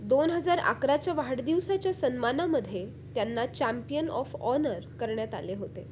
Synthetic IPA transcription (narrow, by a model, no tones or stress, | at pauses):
d̪onɦəd͡zaɾa̰kɾat͡ɕjaʋaɽd̪iʋsat͡ɕjasənmanaməd̪ʱːje | t̪janːat͡ɕæmpijənɔ̰fɔnəɾkəɾɳjat̪a̰leɦot̪e